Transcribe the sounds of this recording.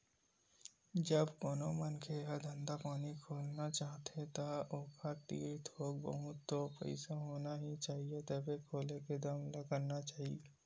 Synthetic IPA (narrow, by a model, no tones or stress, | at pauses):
d͡ʒəbkoːnomənkʰeɦəd̪ʱə̃nd̪apaːnikʰoːlnat͡ʃaːɦt̪ʰet̪aoːkʰat̪ḭːit̪oːɡ̚bə̰ɦʊt̪ːopɛ̰ɪsaɦoːnaɦit͡ʃaːɦiet̪ɐbʱekʰoːleked̪aːmlɐɡənnat͡ʃaːɦḭe